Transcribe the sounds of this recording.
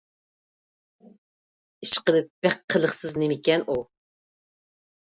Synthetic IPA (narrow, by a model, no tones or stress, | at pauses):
iʃqəlɨp̚b̥æqʰːəlˠəχsɨznɪmɪkʲɛnu